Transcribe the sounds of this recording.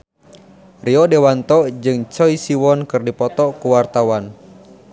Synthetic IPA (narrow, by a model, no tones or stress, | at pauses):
riɔdewant̪ɔd͡ʒɨŋt͡ʃɔisiwɔnkɨrdipɔt̪ɔkuwart̪awan